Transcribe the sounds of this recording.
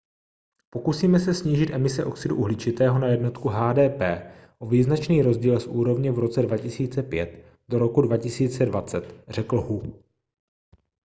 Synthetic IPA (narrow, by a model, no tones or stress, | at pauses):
po̞kusiːmɛsɛsɲiːʒɪt̪ʔɛmɪsɛʔo̞ksɪduʔuɦlɪt͡ʃɪt̪ɛːɦo̞najɛdno̞t̪kuɦaːdɛːpɛː | ʔoviːznat͡ʃniːɾo̞zɟiːlsʔuːɾo̞vɲɛvɾo̞t͡sɛdvacɪsiːt͡sɛpjɛt̪ | doɾo̞kudvacɪsiːt͡sɛdvat͡sɛt̪r̝̥ɛkl̩ɦu